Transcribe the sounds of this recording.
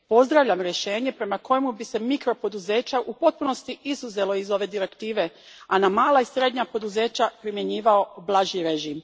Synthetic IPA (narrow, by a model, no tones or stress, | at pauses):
po̞zd̪ɾaʋʎamɾje̞ʃe̞ːɲe̞pɾe̞mako̞jemubise̞mikɾo̞po̞d̪uze̞ːt͡ɕaʔupo̞t̪̚puno̞st̪iizuze̞lo̞izo̞ʋe̞d̪iɾe̞kt̪iːʋe̞ | anamaːlaisɾe̞d̪ɲapo̞d̪uze̞ːt͡ɕapɾimje̞ɲiːʋao̞blˠaʒiɾeʒiːm